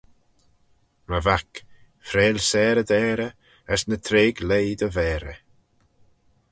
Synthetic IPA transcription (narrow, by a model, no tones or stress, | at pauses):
məvak | fɾeːlsɛːɾəd̪ɛːɾə | əsnət̪ʰɾeːɡlejd̪əvɛːɾə